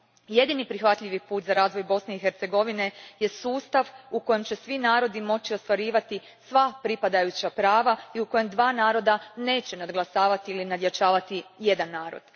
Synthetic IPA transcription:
je̞d̪inipɾixʋat̪ʎiʋipuːt̪zaɾaːzʋo̞jbo̞sne̞ixeɾt̪se̞ɡo̞ʋine̞je̞suːst̪aʋuko̞je̞mt͡ɕe̞sʋinaːɾo̞d̪imo̞t͡ɕio̞st̪ʋaɾiːʋat̪i | sʋapɾipad̪ajut͡ɕapɾaːʋaiuko̞je̞md̪ʋaːnaːɾo̞d̪ane̞ːt͡ɕe̞nad̪ɡlˠasaːʋat̪iilinad̪jat͡ʃaːʋat̪ije̞d̪anːaːɾo̞̰d̪̥

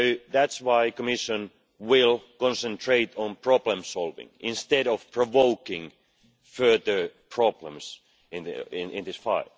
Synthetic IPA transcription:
soʊðætswaɪkəmɪʃə̃n | wɪlˠkɔ̃nsə̃ntʰɹeɪtʰɔ̃npʰɹ̥ɔblə̃msɔlˠvɪ̰̃ŋʔɪ̃nst̪ɛɾɔv̥pʰɹɔvoʊkɪ̃ŋ | fɜ˞ðə˞pʰɹ̥ɑblə̃ms | ɪ̃nɪ̃nɪ̃nðɪsfaɪlˠ

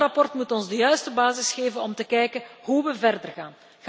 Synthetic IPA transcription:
rɑpɔrtmutɔnzdəjœɥstəbaːzɪsxeːvənɔmtəkɛjkəɦuʋəvɛrdərɣaːn | ɣ

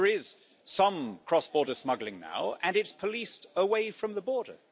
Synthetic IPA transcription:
əɹɪz̥ | sʌ̃mkʰɹ̥ɒsb̥ɔːɹɾəsmʌɡlɪ̃ŋna̰ʊɨ̃nɨtspʰəlistəweɪfɹə̃mðəbɔɹɾə̰

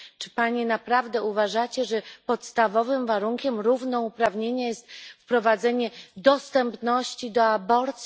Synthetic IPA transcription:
t͡ʂɘ̥paɲɛnapɾavd̪ɛuvaʐat͡ɕɛʐɛpɔt̪st̪avɔvɘmvaɾuŋkʲɛmɾuvnɔupɾavɲeɲɛjɛst̪fpɾɔvad̪zɛɲɛd̪ɔst̪ɛmpnɔɕt͡ɕid̪ɔabɔɾt̪sʲ

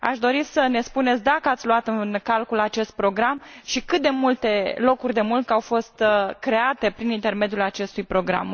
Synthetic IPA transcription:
a̰ʃd̪o̞ɾisəne̞spune̞t̪sʲd̪akəat̪sʲluat̪ɨnkalkulat͡ʃe̞st̪̚pɾo̞ɡɾamʃikɨt̪̚d̪e̞mult̪e̞lo̞kurʲd̪e̞mulkawfo̞st̪kɾe̞at̪e̞pɾinint̪e̞rme̞d̪julat͡ʃe̞st̪ujpɾo̞ɡɾa̰m

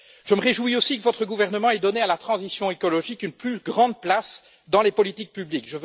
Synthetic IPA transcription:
ʒ̥əməʁeʒwiosikəvɔt̪χəɡuvɛʁnəmɑ̃ɛd̪ɔnealat̪χɑ̃zisjɔ̃ekɔlɔʒikynplyɡʁɑ̃d̪̚plas | d̪ɑ̃lepɔlit̪ik̚pyblikʒə

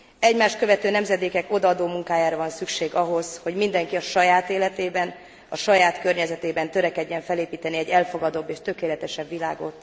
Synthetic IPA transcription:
ɛɟmaːʃkø̞vɛt̪øːnɛmzɛd̪eːkɛko̞d̪ɒɒd̪oːmuŋkaːjaːɾɒvɒnsykʃeːɡɒɦo̞zho̞ɟmind̪ɛŋkiɒʃɒjaːt̪eːlɛt̪eːbɛn | ɒʃɒjaːt̪kørɲɛzɛt̪eːbɛnt̪øɾɛkɛɟːɛɱfɛleːpiːt̪ɛniɛɟːɛlfo̞ɡɒd̪o̞bːeːʃt̪ø̞keːlɛt̪ɛʃɛbʋila̰ːɡo̞t̪

